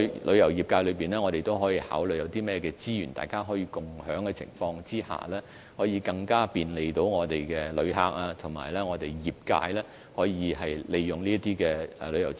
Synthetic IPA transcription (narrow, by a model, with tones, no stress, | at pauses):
lʔɵ˨˧ɥjɐ˨˩wjiː˨p̚kaː˧jlɵ˨˧piː˨˩nɛː˥ŋɔ˨˧ɾe˨jt̪o˥wɦɔː˨˥jiː˧ha̰ː˨˥wlɵ˨jɐ˨˧wt̪iː˥mɛː˥˧kɛː˧t͡siː˥jyː˨˩nt̪aː˨jkaː˥ɦɔː˨˥jiː˧kʊ˨˩ŋhœː˨˥ŋkɛ˧t͡sʰɪ̰˨˩ŋfɔː˧ŋt͡siː˥ha̰ː˨˩lɛː˥ | hɔː˨˥jiː˨˧kɐ˧ŋkaː˥piː˨˧nle˨˧jt̪o˨˥wŋɔː˨˧t̪e˨jkɛː˧lɵ˨˧ɥɦa̰ː˧k̚aː˧t̪ʰʊ˨˩ŋmaː˨˩jlɛː˥ŋɔː˨˧t̪e˨jjiː˨p̚ka̰ː˧jlɛː˥ | hɔː˨˥jiː˨˧hɐ˨jle˨jːʊ˨ŋliː˥ɐ˥t̪iː˥kɛː˧ɛ̰˨lɵ˨˧ɥjɐ̰˨˩w